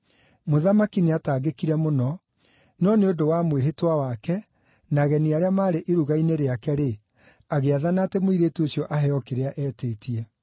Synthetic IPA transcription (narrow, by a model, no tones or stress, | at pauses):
moðamakineataːɣekiɾɛmonɔ | nɔneodowamweɦetwawakɛ | naɣɛniaɾeamaːɾeʔeɾuɣaineɾeakɛɾe | aɣeaðanatemoiɾeːtuosjɔʔaɦɛɔkeɾeaʔɛːteːtiɛ